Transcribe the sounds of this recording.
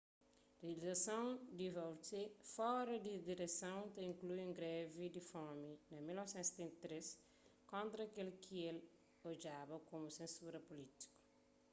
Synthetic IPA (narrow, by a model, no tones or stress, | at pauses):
reɐlizɐsɐ̃w̃d̪ivɔwt̪efɔɾɐd̪id̪iɾesɐ̃w̃t̪ɐĩŋklujẽŋɡɾɛvid̪ifɔminɐmilnɔvsɛ̃nt̪se̥t̪ẽnt̪ɐt̪ɾes | kõnt̪ɾɐːkelkʰiel | od͡ʒabɐkomusẽsuɾɐpulit̪i̥ku̥